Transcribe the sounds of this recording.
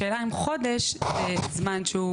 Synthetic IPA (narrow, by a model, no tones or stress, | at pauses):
eːlaimχod̪eʃzezmanʃeu